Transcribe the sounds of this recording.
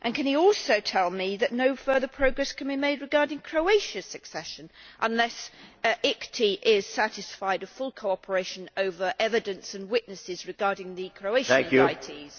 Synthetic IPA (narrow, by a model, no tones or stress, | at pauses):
ʔɨ̃nkɨ̃niɔˑlˠsoʊtʰɛlˠmiðɨʔⁿnoʊfɜ˞ðəpʰɹ̥əʊɡɹɛskʰɨ̃nbimeɪd̚ɹɨɡɑɹɾɪ̃ŋkʰɹ̥oʊeɪʃɨsɨksɛʃə̃nʔə̰̃nlɛsʔɪktʰiʔɪz̥sæɾɪsfaɪdəv̥fʊlˠkʰoʊɑpʰə˞eɪʃɨ̃noʊvə˞ʔɛvɨdɨ̃nsə̃nwɪʔnɨsɪzɹɨɡɑɹɾɪ̃ŋðɨkʰɹ̥oʊeɪʃŋkjaɪtʰiz̥